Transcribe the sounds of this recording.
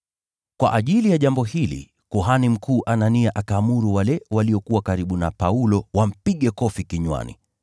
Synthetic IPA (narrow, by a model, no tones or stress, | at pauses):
kwa̰ʔaʄilijaʄambɔhilḭ | kuɦanim̩kʰuːʔananiaʔakaːmuɾuwalɛwaliɔkuwakaɾiɓunapaulɔwam̩piɠɛkɔfikiɲwa̰nḭ